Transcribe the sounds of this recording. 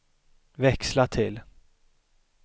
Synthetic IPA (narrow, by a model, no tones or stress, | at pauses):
vɛkslat̪ʰɪl